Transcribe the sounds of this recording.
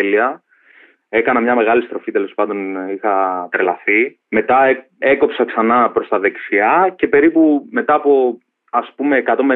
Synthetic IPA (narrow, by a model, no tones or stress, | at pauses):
eliɐ | e̞kɐnɐmɲɐme̞ɣɐlist̪ɾo̞fit̪e̞lo̞spɐnd̪o̞nixɐt̪ɾelɐθi | me̞t̪ɐ | e̞ko̞psɐksɐnɐpɾo̞st̪ɐðe̞ksiɐce̞pe̞ɾipume̞t̪ɐːpo̞ | ɐspume̞ːkɐt̪o̞me